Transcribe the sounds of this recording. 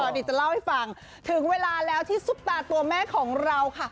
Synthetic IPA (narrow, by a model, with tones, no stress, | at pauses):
ɔː˨˩ʔi˨˩t͡ɕa˧˩la˥˩wha˥˩jfa˧ŋ | t̪ʰɯ˩˦ŋweː˧laː˧lɛː˦˥wt̪ʰiː˥˩su˨˦˥p̚t̪aː˧t̪u˧ɐmɛː˥˩kʰɔː˩˦ŋɾa˧wkʰa˥˩